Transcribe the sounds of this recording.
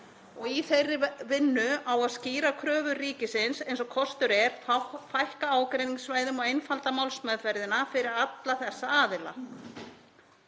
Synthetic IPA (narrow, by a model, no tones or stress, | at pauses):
ɔɣiθejrːɪvɪnːʏawaðsciːɾakʰɾœːvʏriːcɪsɪnsejnsɔkʰɔst̪ʏɾɛɾ̥afajhkaaːwkɾejniŋsvaːjðʏmɔɣejnfalt̪amawlsmœðvɛɾðɪnafɪɾɪɾɾat̪laθɛsːaaːðɪla̰